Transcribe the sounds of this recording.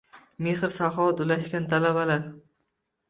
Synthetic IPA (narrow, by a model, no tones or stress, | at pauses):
meχɾsaχɒt̪ʊlaʃkʲant̪ʰalabalaɾ